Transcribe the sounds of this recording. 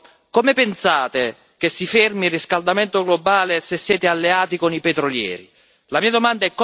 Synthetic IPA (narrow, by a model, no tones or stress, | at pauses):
komepensaːt̪e | k̟esːifermirːiskald̪amɛnt̪oɡlobaːlesesːjɛːt̪ealːeaːt̪ikonipɛt̪ɾoljɛ̰ːɾi | lamiːad̪omand̪aɛkː